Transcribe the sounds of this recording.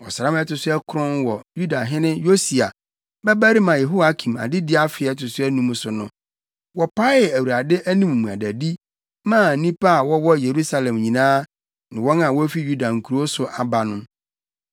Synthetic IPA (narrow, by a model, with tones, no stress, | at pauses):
wɔ̰˨sɾã˦mɛ˦tʊ˨sʊ˦ɛ˦kʰʊ˦ɾʊ̃˦nwɔ˨ju˦da˨ɦɪ̃˦nɪ̃˦jo˦si˨a˨ | bɛ˦bæ˦ɾi˦mã˨je˨ɦo˦a˦kʰĩ˨ma̰˨dɪ˦dɪ˦a˦fɪ˨ɛ˦tʊ˨sʊ˦æ˦nũ˦m˦sʊ˨nʊ̃˦ | wɔ˨pʰa˦jɛ˨æ˨wu˨ɾa˨dɪ˦ʔæ˦nĩ˦m˨mũ˨a̰˨dæ˨di˦ | mã˦˨nĩ˦pa˦a˨wɔ˦wɔ˦je˨ɾu˦sa˨lɛ̃˨mɲĩ˨nãː˦ | nɪ̃˨wɔ˦nã˨wɔ˦fi˦ju˦da˨ŋ̩˨kʰu˨ɾo˦sʊ˨ʔa˨ba˨nʊ̃˦m